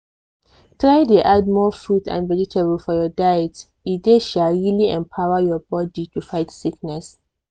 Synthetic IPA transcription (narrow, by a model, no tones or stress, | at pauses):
tʰɹaɪdeʔad̚mɔfɹudã̰nvɛd͡ʒitʰebəlfɔjɔdajɛt | ideʃalɹiliɛ̃mpʰaʊwəjɔbɔditufaɪtsiknɛs